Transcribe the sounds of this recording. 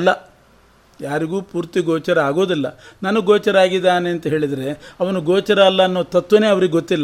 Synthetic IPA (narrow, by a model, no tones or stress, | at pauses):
lːɐ | jaːɾiɡuːpuːɾt̪iɡoːt͡ʃɐɾɐaːɡo̞ːd̪ilːɐ̰nanuɡɔːt͡ʃɐɾaːɡid̪ːaːneɐnt̪ɐɦe̞ːɭid̪ɐɾe̞ɐʋɐnuɡɔːt͡ʃɐɾɐːlːɐːnːoːt̪ɐt̪ːʋɐne̞ːɐʋɐɾiɡeɡot̪ːilːɐ